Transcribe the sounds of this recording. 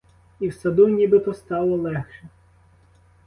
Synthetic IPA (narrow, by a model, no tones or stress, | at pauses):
iwsɐd̪unʲibɪt̪ɔst̪ɑlˠɔlˠɛxʃɛ